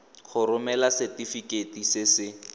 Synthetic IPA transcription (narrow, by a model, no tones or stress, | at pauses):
χʰʊɾʊmɛlasɛtifiketisɪsɪ